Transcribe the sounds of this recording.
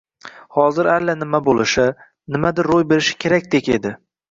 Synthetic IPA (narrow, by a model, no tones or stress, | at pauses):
hɒzɪɾalːanɪmabolɪʃɪ | nɪmad̪ɪɾːojbe̞ɾɪʃɪ̥kʲʰe̞ɾakʲd̪ekʲe̞d̪ɪ